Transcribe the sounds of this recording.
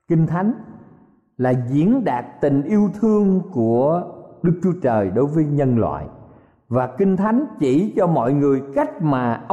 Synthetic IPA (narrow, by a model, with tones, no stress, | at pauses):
kï˧ŋ̟t̪ʰa˨˦jŋ̟ | laː˨˩zḭ˧˦ənɗaː˨˩k̚t̪ï˨˩ŋ̟ʔi˧əwt̪ʰɨ˧əŋku˧˩əɗɨ˦˥k̚t͡ɕu˦ət͡ɕəː˨˩jɗo˨˦jvəː˨˦jɲə˧nlwa̰ː˧˨j | vaː˨˩kï˧ŋ̟t̪ʰa˨˦jŋ̟t͡ɕi˧˩t͡ɕɔ˧mɔ̰˧˨jŋɨ˨˩əjka˦˥jk̚maː˨˩ʔə˧